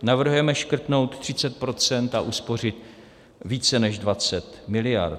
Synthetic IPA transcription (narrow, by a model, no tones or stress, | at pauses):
navr̩ɦujɛmɛʃkr̩t̪no̞wt̪t̪ːr̥ɪt͡sɛt̪̚pɾo̞t͡sɛnt̪aʔuspo̞r̝ɪt̪ | viːt͡sɛnɛʒdvat͡sɛt̪mɪlɪja̰ɾt̪